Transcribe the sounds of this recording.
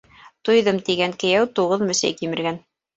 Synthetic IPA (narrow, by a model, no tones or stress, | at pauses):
t̪ujðɤmt̪iɡæŋkɘ̆jæwt̪uʁɤðmɘ̆sɘ̰jkimɘ̆ɾɡæn